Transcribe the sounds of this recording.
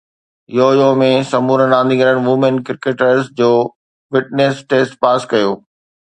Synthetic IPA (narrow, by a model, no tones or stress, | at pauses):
joːjomẽsɐmuːɾənãːnd̪ĩɡəɾəɽ̃ʋumənkɪɾkeʈəɾsd͡ʑoː | fɪʈnesʈeːsʈpaːskɐjoː